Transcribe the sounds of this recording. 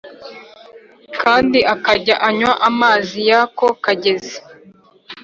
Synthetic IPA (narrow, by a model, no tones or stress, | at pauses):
kaːndiʔakaɟaʔaɲwaʔamaːzijako̞kaɟe̞ze